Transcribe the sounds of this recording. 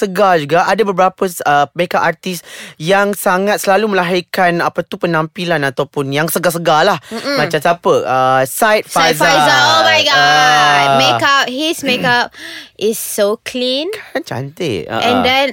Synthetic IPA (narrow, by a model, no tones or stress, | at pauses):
səɡad͡ʒuɡaʔadabəbəɾapəəmekaʔart̪isjaŋsaŋat̪̚səlaluməlaɦikanapat̪upənãmpilanat̪awpʊnjaŋsəɡas̬əɡalahm̩mat͡ʃamsapəʔəsajt̪̚sfazfajəoak | mekap̚hismekap̚ʔɪsːokʰlĩnkʰant͡ʃa̰nt̪ɪ̰tə̰ɛ̃ndɛ̃n